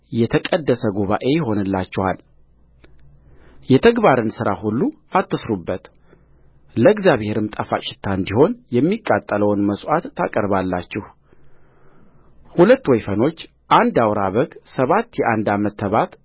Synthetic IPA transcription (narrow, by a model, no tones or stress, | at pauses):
jɛt̪ʰəkʼəd̪ːəsəɡuβaʔe̞jɦo̞nɨlːat͡ʃːɛhal | jɛt̪ʰəɡbaɾɨnsɨɾa̰hulːu | at̪ːɨsɾubːət̪ | ləɡzjaβhe̞ɾɨmt̪ʼəfa̰ʃɪ̥t̪ʰːaɨnd̪iho̞njɛmːikʼːat̪ʼːələwnməsʼʔat̪ːakʼəɾbalːat͡ʃːɪh | hulət̪ːwɔjfəno̞t͡ʃː | ʔand̪awɾaβəɡsəβat̪ːjɛʔand̪amət̪ʰːəβat̪